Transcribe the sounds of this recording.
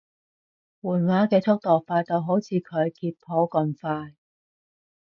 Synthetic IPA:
wuː˨˩nwaː˨˥kɛː˧t͡sʰʊ˥k̚t̪ɔː˨k̚faː˧t̪o˧wɦo˨˥wt͡sʰiː˨˧kʰɵ˨˧ɥkiː˧t̚pʰo˨˥kɐ˧nfaː˧j

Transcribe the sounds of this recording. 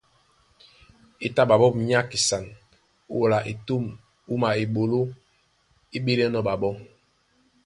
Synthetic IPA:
i˨ta˦ɓa˨ɓɔ˦pɲa˦ki˨sa˨ŋ˦˨ | la˨ʔi˨tu˦˨m | u˦ma˨i˨ɓo˨lo˦ | i˦ɓi˦le˦nɔ˦ɓa˨ɓɔ˦

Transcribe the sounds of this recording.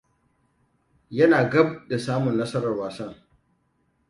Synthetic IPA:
jɐ˦naː˨ɡɐ˦b̚da˨saː˦mʊ˨nːɐ˦sɐ˦ɾɐ˨rwaː˨sɐ˦ŋ

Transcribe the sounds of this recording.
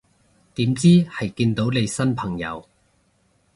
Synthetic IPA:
t̪iː˨˥mt͡siː˥hɐ˨jkiː˧nt̪o˨˥wne˨˧jsɐ˥npʰɐ˨˩ŋjɐ̰˨˧w

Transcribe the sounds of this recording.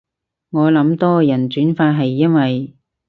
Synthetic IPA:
ŋɔː˨˧lɐ˨˥mt̪ɔː˥jɐ˨˩nt͡ʃyː˨˥nfaː˧t̚ɦɐ˨jːɐ˥nwɐ˨j

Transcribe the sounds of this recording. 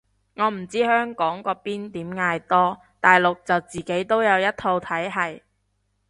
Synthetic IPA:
ŋɔː˨˧m̩˨˩t͡siː˥hœː˥ŋkɔː˨˥ŋkɔː˧piː˥nt̪iː˨˥mŋaː˧jt̪ɔː˥ | t̪aː˨jlʊ˨k̚t͡sɐ˨wt͡siː˨˩ke˨˥jt̪o˥wjɐ˨˧wjɐ˥t̚t̪ʰo˧wt̪ʰɐ˨˥jɦɐ˨j

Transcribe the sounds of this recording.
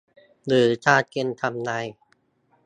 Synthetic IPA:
lɯː˩˦t͡ɕʰaː˥˩t̪̚ke˧nt̪ʰa˧mna˧˩j

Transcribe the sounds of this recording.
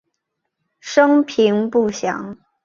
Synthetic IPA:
ʂɤ˥ŋpʰi˧˥ŋpu˥˩ɕjɑ̰˧˥ŋ

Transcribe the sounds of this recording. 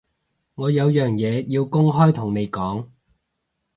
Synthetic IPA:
ŋɔː˨˧jɐ˨˧wjœː˨ŋjɛː˨˧jiː˧wkʊ˥ŋɦɔː˥jt̪ʰʊ˨˩ŋne˨˧jkɔː˨˥ŋ

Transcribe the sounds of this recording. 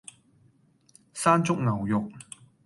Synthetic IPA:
saː˥nt͡sʊ˥k̚ŋɐ˨˩wjʊ˨k̚

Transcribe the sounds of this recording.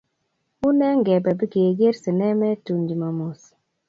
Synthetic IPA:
ʊ˦nɛ˦ŋɡɛ˨bɛ˨bi˦ɡe˨ɡe˦ɾsɪ˨nɛ˦mɛ˦tu˨ɲd͡ʒma˨mu˨s

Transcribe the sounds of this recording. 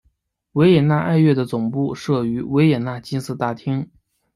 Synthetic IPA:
we˧˥ɪjɛ˨˩na˥˧ʔa˥˧ɪɥɛ˥˩d̪ə˩t͡sʊ˨˩ŋpu˥˧ʂɤ˥˩y˧˥we˧˥ɪjɛ˨˩na˥˩t͡ɕi˥nsɹ̩˥˧t̪a˥˩t̪ʰi˥ŋ

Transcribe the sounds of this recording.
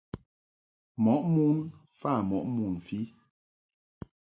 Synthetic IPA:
mɔ˨˦ʔmu˦n | fa˦˨mɔ˨ʔmu˨nfi˦

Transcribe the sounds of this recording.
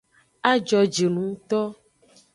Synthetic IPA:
a˦d͡ʒɔ˨d͡ʒe˨nũ˨˦t̪ɔ˦

